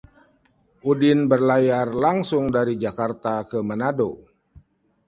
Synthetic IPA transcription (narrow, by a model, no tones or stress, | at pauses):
ʔudɪnbərlajarlaŋsʊŋdaɾid͡ʒakart̪akəmənado